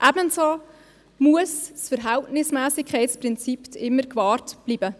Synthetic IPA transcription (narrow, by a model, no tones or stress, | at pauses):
ʔæbənsɑ | muəssfəɾɦæltnɪsmæːsɪkʰɛɪtspɾɪnt͡siptʰɪmːəɾkvɑːɾtb̥liːbə